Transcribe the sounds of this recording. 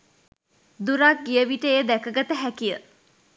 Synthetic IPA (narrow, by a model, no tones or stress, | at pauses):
d̪uɾak̚ɡijəʋiʈəjəd̪ækəɡat̪əɦækijə